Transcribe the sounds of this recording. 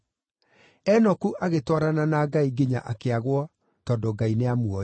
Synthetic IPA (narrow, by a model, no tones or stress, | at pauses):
ɛnɔkuʔaɣetwɔaɾananaɡaiɡeɲa̰ʔakeaɣwɔ | tɔndoɡaineamuɔ